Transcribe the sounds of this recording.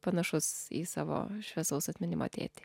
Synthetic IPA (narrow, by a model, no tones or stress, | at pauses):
pɐnɐʃʊsḭːsɑːʋo̰ːʃʲʋʲɛsɐʊsɐt̪ʲmʲɪnʲɪmo̰ːt̪ʲḛːt̪ʲɪ̥